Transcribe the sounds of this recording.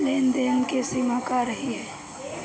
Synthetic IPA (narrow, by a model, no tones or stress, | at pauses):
leːnd̪eːnkesimakaɾəɦiɦɛː